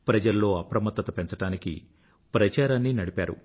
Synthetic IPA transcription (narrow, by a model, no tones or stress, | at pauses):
pɾɐd͡ʒɐllo̞ːɐpɾɐmɐt̪ːɐt̪ɐpent͡ʃɐʈaːnikḭ | pɾɐt͡ʃaːɾaːnːinɐɽipa̰ːɾṵ